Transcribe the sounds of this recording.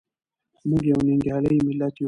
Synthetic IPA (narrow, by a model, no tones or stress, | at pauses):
muɡɛuniŋɡialɛimilati